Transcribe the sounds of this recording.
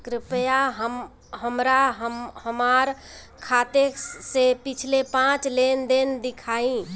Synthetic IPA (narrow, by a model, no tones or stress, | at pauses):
kɾɪpjaɦəm | ɦəmɾaɦəmhəmaɾ | kʰat̪esepit͡ʃʰlepãt͡ʃlend̪end̪ikʰaĩ